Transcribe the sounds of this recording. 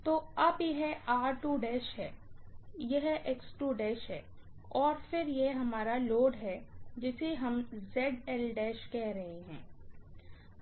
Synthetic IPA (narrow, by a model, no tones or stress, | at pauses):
t̪oːɐbjɐɦɛaːɾʈuːɖɛːʃɦɛː | jeɦʔeksʈuːɖɛːʃɦɛː | ɔːɾfɪɾjeɦɐmaːɾaloːɖɦɛd͡ʒɪseɦɐmzɛːɖɛːlɖɛːʃkɛɦɾɐɦeɦɛ̰̃ː